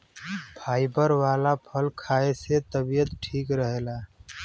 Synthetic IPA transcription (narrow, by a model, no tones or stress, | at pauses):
pʰaːibəɾwaːlapʰəlkʰaːeset̪əbijət̪ʈʰiːkɾəɦela